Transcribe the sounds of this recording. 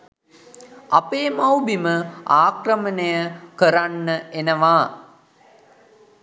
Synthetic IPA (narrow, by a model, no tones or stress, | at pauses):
apeːmawbiməaːkrəmənəjəkəɾanːəʔenəʋaː